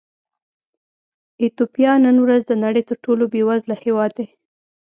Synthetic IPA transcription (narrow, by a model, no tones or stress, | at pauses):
ɪt̪opijɑnənwɾazd̪ənaɽəjt̪əɾʈolobewazlahewɑd̪ːe